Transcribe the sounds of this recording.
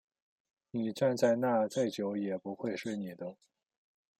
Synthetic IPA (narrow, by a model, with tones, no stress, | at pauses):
ni˨˩ʈ͡ʂa˥˧nt͡sa˥˧ɪna˥˧t͡sa˥˩ɪt͡ɕjo˧˥ʊjɛ˨˩pu˧˥xwe˥˧ɪʂwe˥˩ɪni˨˩d̪ə˦